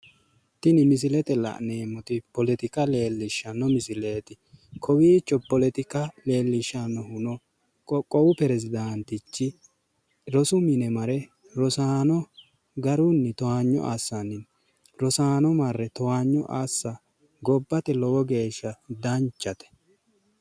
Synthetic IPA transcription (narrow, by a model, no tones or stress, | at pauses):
t̪ɪnɪmɪs̬ɪlɛt̪ɛlɐ̰ʔneːmːɔt̪ɪpɔlɛt̪ɪkɐle̞ːlːɪʃːɐnːɔmɪsɪleːt̪ɪ | kʰɔwiːt͡ʃːɔpɔlɛt̪ɪkɐle̞ːlːɪʃːɐnːɔhʊnɔ | kɔkʼːɔwʊpɛɾɛzɪd̪ant̪ɪt͡ʃːɪ | ɾɔsʊmɪnɛmɐɾɛ | ɾɔsaːnɔ | ɡɐɾʊnːɛt̪ɔhaːɲːɔ̰ʔa̰ːsːɐnːɪn | ɾɔsaːnɔmɐrːɛt̪ɔwaːɲːɔ̰ʔa̰ːsːɐ | ɡɔbːɐt̪ɛlɔwɔɡe̞ːʃːɐd̪ɐnt͡ʃːɐt̪ɛ̥